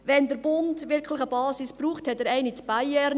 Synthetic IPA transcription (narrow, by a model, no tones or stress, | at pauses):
ʋɛnd̪əɾb̥ʊndʋɪɾkʰlɪχəbɑːsispruːχthɛt̚ɛɾɛɪnit͡sb̥ajɛɾ